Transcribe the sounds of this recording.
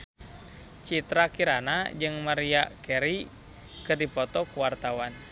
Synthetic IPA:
t͡ʃit̪ɾakiɾanad͡ʒɨŋmaɾiakɛɾi | kɨrdipɔt̪ɔkuwart̪awan

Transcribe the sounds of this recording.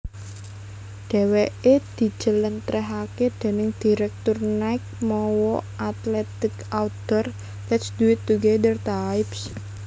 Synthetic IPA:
ɖ̥ɛ̤weed̪̥i̤̥d͡ʒ̥ə̤lənt̪ɾɛɦaked̪̥e̤nɪŋd̪̥i̤ɾɛk̚t̪ʊrnaɪk̚mɔwɔʔat̪lɛt̪ɪkaud̪̥ɔr | lɛtsd̪̥uɪt̪ːuɡed̪ərt̪aɪps

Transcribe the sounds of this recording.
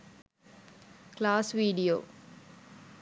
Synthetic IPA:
klaːsʋiːɖijo̰ː

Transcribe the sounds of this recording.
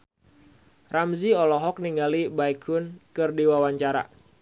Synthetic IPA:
ramziɔlɔɦɔk̚niŋɡalibaikʰʊnkɨrdiwawaɲt͡ʃaɾa̰

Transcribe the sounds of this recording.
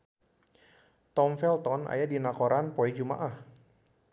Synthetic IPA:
t̪ɔmfɛlt̪ɔna̰jadinakɔɾanpɔɛd͡ʒuma̰ʔah

